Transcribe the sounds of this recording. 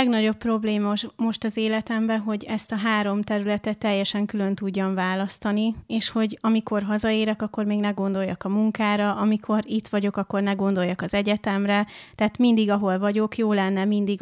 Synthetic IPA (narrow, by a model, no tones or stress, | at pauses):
ɛɡnɒɟo̞pːro̞bleːmɒmo̞ʃt̪ɒzeːlɛt̪ɛmbɛɦo̞ɟɛst̪ɒɦaːɾo̞mt̪ɛɾylɛt̪ɛt̪ːɛjːɛʃɛŋkylø̞nt̪uɟːɒɱvaːlɒst̪ɒnieːʃho̞ɟɒmiko̞rɦɒzɒeːɾɛkɒkːo̞rmeːɡnɛɡo̞nd̪o̞jːɒ̰kɒmuŋkaːɾɒʔɒmikʰo̞ɾit̪ʋɒɟo̞kɒkːo̞rnɛɡo̞nd̪o̞jɒkɒzɛɟɛt̪ɛmrɛt̪ɛːt̪mind̪iɡɒɦo̞lvɒɟo̞kjoːlɛnːɛmind̪iɡ